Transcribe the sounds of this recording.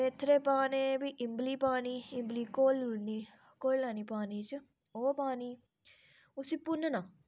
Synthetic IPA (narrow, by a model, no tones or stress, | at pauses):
et̪ʰːɾeːpaːneːbiʔɪmbliːpaːniːɪmbliːkoːluniː | koːlːaːniːpaːniːt͡ʃ | oːpaːniː | ʊsiːpʊnnaː